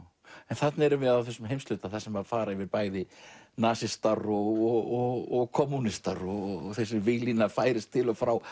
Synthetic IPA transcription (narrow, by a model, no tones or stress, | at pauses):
ɛnθat̪naɛɾʏvɪðaðθɛsʏmɦejmslʏːt̪aθasɛmaðfaːɾaɪvɪðpaːjðɪnaːsɪst̪aɾɔɣɔɣɔɔɣkʰɔmːunɪst̪aɾɔθɛsɪvɪlinafaːjɾɪst̪ʰːɪlɔfɾaw